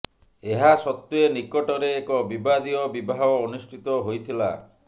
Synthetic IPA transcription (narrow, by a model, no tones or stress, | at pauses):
eɦasɔt̪ːuenikɔʈɔɾeːkɔbibad̪iɔbibʱaɦɔːnusʈʰit̪ɔɦojt̪ʰila̰